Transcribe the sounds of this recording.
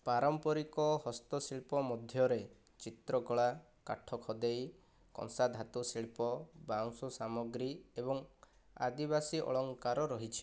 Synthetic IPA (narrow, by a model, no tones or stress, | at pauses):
paɾɔmpɔɾikɔɦɔst̪ɔsiɭpɔmɔd̪ʱjɔɾe | t͡ʃit̪ɾɔkɔɭa | ka̰ʈʰɔkʰɔd̪ej | kɔ̰̃ŋsad̪ʱat̪usiɭpɔbaŋsusamɔɡɾiebɔŋ | a̰d̪ibasiʔɔ̰ɭɔŋkaɾɔɾɔɦit͡ʃʰi̥